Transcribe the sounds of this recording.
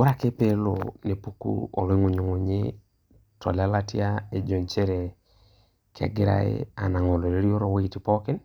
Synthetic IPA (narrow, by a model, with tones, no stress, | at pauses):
o˦ɾa˨ke˦pe˦lo̰˨ne˨pu˦kṵɔ̰˨lɔ˦i˦ŋu˨ɲu˨ŋʊ˨ɲɪ˦ | tʰɔ̰˨la˦la˦ti˦a˦e˨d͡ʒo˨ɲt͡ʃe˦ɾe˨ | kɪa̰˨ɡɪ˦ɾa̰˨ḛ˦a˨na˨ŋɔ˨lo˨ɾe˦ɾi˦o˦ɾo˦˨we˦i˨ti˨pɔ˦kɪ˦n